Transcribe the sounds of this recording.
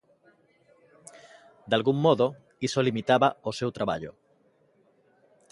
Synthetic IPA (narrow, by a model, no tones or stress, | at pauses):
d̪alɣumːoðo | isolimit̪aβaosewt̪ɾaβa̰ʎo̰